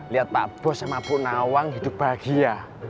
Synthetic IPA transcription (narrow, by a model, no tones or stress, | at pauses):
liat̪̚pa̰ʔb̥ɔ̤sjamab̥ʊʔnawaŋɦid̪ṳp̚b̥a̤ɡ̥ija